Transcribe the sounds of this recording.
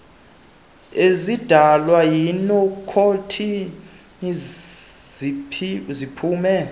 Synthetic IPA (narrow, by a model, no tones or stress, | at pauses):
ezid̥ʱalwajinɔkʰotʰi | n | zipʰuːmɛ